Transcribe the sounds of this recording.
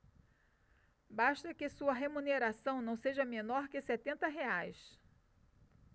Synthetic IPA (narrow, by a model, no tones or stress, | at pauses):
baʃt̪ɐkɪsuɐɦemũneɾasɐ̃w̃nɐ̃w̃seʒɐmẽnɔɾkɪsɛt̪ẽnt̪ɐɦeajs